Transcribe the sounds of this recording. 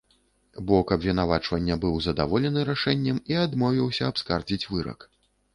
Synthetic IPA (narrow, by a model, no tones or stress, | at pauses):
bɔkɐbʲvʲin̪avat͡ʂvɐnʲːɐbɨwzɐd̪a̰vɔlʲɛnɨɾaʂɛnʲːɛmiad̪mɔvʲiwsʲɐapskard͡zʲit͡sʲvɨɾɐ̰k